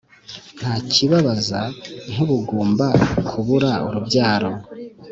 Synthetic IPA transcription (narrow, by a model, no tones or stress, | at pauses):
n̥haːciβaβazaŋ̥uβuɡoːmbakʰuβuɾaṵɾubɟaːɾo̞